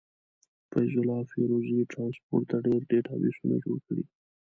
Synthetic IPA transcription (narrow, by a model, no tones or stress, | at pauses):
fajzʊlɑfeɾoziʈɾɑnspo̰ʈt̪aɖeɾɖeʈʰabḭsuna̰d͡ʒoɽkəɽḭ